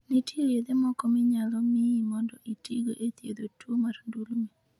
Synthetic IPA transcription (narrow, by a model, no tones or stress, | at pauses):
netiɾed̪emɔkɔmɪɲalɔmɪimɔndɔʔitiɡoʔet̪jed̪otwomaɾndulmi